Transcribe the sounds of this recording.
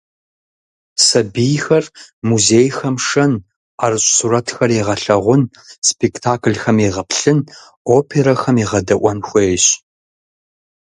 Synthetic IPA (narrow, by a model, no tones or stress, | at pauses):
sɐbijxɐrmuzeːjxɐmʂɐn | aːrɕʼsurɐtʰxɐreʁɐɬɐʁʷʊn | spʰektʰaːkɮxɐmeʁɐpʰɬɨn | oːpʰeɾɐxɐmiːʁɐdɐʔʷɐnxʷejɕ